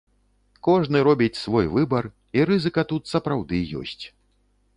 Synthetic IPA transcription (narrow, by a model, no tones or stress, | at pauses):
kɔʐnɨɾɔbʲit͡sʲsvɔjvɨbɐr | iɾɨzɨkɐt̪ut̪sɐpɾawd̪ɨjɔ̰sʲt͡sʲ